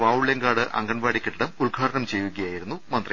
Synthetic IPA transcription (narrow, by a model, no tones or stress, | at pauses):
ʋaːʋuɭjɐŋɡaːɽɨʔɐ̰ŋɡɐɳʋaːɽikʲːeʈːiɽɐmuɭɡʱaːɾɐɳɐmt͡ɕe̞jʋukːɐjaːjiɾunːumɐnd̪rɐ